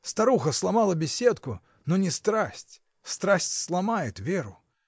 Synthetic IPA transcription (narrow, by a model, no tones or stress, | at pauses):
st̪aɾuɣɐslˠamalˠɐbʲɛsʲɛt̪ku | nɔnʲɛst̪ɾasʲt͡sʲ | st̪ɾasʲt͡sʲslˠamajɛt̪vʲɛɾu